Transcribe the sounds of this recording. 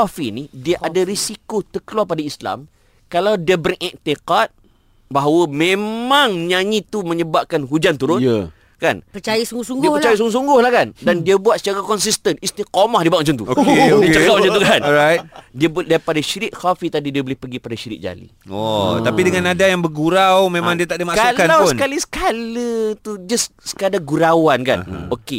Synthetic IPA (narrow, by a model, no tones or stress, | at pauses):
afinidiaʔadaɾisikot̪əkəluarpadaisla̰m | kalawdiəbərʔɛʔt̪eqat̪̚ | baɦawəmẽmãŋɲãɲĩt̪umə̃ɲəbap̚kanɦud͡ʒant̪uɾʊn | kanpət͡ʃajasuŋɡusuŋdiəət͡ʃajas̬uŋɡʊsuŋɡʊhlahkandandiabuat̪sə̥t͡ʃaɾakɔnsist̪ənist̪ikomahdibaʔ̚mãt͡ʃant̪uoodit͡ʃəkamat͡ʃant̪ukanɔɾajt̪̚diabdajpadaʃiɾɪʔ̚xafit̪adidiabolɪhpəɡipadaʃiɾɪ̰ʔ̚d͡ʒa̰lḭɔt̪apidəŋanadajaŋbəɡuɾawmẽmãŋdiat̪aʔdimaʔksaulkanawpʊənkalisə̥kalət̪ud͡ʒəssə̥kadaɡuɾawanka̰n̰oke